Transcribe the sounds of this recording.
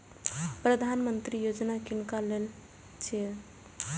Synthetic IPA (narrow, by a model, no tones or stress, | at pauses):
pɾəd̪ʱanmənt̪ɾijod͡ʒnakinkalel | t͡ʃʰe